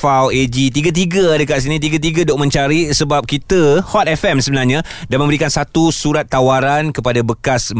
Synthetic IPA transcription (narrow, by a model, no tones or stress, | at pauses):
fawed͡ʒit̪iɡat̪̬iɡəadəkaʔs̬inĩt̪̬iɡat̪̬iɡadɔʔmə̃nt͡ʃaɾisəbap̚kit̪əhɔt̪̚ɛfɛmsəbənarɲã | danmə̃mbəɾikansat̪usuɾat̪ːawaɾankəpadabəkas